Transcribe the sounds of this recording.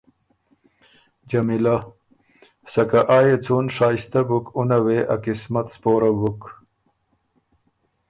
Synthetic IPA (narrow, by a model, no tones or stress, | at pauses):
d͡ʑɐmila | sɐkaʔaːjet͡sunʂaːist̪ɐbukunɐweʔakismɐt̪spoːɾɐbuk